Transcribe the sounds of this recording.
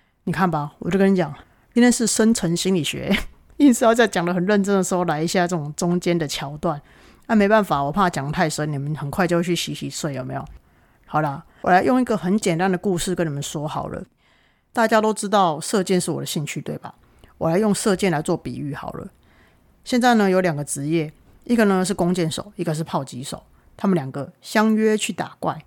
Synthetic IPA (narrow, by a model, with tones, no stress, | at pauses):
ni˨˩kʰa˥˩nba˨wɔ̰˨˩t͡ɕo˥ɡnə˧nt͡ɕjɑ˨˩˦ŋ | t͡ɕi˥nt̪ʰjnʂɻ̩˥˩ʂə˦nt͡sʰə˧˥nɕi˥nli˨˩ɕɥɛ̰˧˦ | i˥˧nsɹ̩˥˧jɑ˥˧ʊt͡sa˥˩ɪt͡ɕjɑ˨˩ŋd̪ə˦xə˨˩nɻə˥˩nʈ͡ʂə˥nd̪ə˨˩ʂɻ̩˧˥xo˥˩ʊla˧˥ɪi˧˥ɕja˥˧ʈ͡ʂə˥˩t͡sʊ˨˩ŋt͡sʊ˦ŋt͡ɕjɛ˦nd̪ə˨t͡ɕʰjɑ˧˥ʊt̪wa˥˩n | na˥˩me˧˥ɪpa˥˩nfa˨˩wɔ˨˩pʰa˥˩t͡ɕjɑ˨˩ŋt̪ʰa˥˩ɪʂə˧˥ni˨˩mə˦nxə˨˩nkʰwa˥˧ɪt͡ɕo˧ʊt͡ɕʰy˥˩ɕi˧˥ɕi˧˥swe˥˩ɪjo˨˩ʊme˧˥˦jo˨˩ | hɑ˨˩ʊlə˦ | wɔ̰˨la˧˥ɪjo˥˧ŋi˧˥ɡə˨xə˧˦nt͡ɕjɛ˨˩nt̪a˦nd̪ə˨ku˥˧ʂɻ̩˥˩kə˦ni˨˩mə˨nʂwɔ˥xɑ̰˨˩ʊlə̰˦ | t̪a˥˧t͡ɕja˥t̪o˥ʊʈ͡ʂɻ̩˥t̪ɑ˥˨ʊsɤ˥˧t͡ɕɛ˥˧nʂɻ̩˥˩wɔ̰˨˩d̪ə˨ɕi˥˧ŋt͡ɕʰy˥˧t̪we˥˩ɪba̰˨˩ | wɔ̰˨˩la˨˦ɪjo˥˧ŋsɤ˥˧t͡ɕjɛ˥˩nla˨˦ɪt͡swɔ˥˩pḭ˨˩y̰˥˩xɑ̰˨˩ʊlə̰˦ | ɕjɛ˥˧nt͡sa˥˩ɪnə˨jo˧˥ljɑ˨˩ŋɡə˨ʈ͡ʂɻ̩˧˦jɛ˥˩ | ʔi˦˥ɡə˨nə˧ʂɻ̩˥˩kʊ˥˦ŋt͡ɕjɛ˥˩nʂo̰˨˩ʊi˥˩ɡə˨ʂ̬ɻ̩˥˧pʰɑ˥˩ʊt͡ɕi˧˥ʂo̰˨˩˦ʊ | t̪ʰa˥mə˨nlja˨˩ŋɡə˩ɕjɑ˦ŋɥɛ˥t͡ɕʰy˥˩t̪a˨˩kwa̰˥˩ɪ